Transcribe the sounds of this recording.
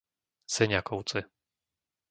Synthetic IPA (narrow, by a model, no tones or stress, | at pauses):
sɛɲakɔwt͡sɨ